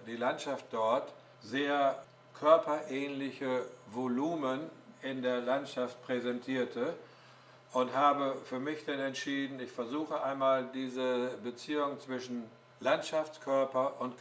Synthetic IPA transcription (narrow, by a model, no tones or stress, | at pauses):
d̥iːlantʃaft̚d̥ɔɐt | zeːɐ | kʰœɐpɐʔɛːnlɪçəvoluːmənɪndeːɐlantʃaft̚pʁ̥ɛzɛntʰiːɐtʰə | ʔʊnthaːbəfyːɐmɪçd̥anɛntʃiːdn̩ɪçfɛɐzuːxəʔaɪnmaːldiːzəbət͡siːʊŋt͡sv̥ɪʃn̩ | lantʃaft͡skʰœɐpɐʔʊnt